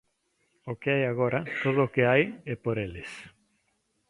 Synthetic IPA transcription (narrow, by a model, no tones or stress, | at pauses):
okɪajaɣ̞oɾat̪oðʊːkeajɛpoɾelɪs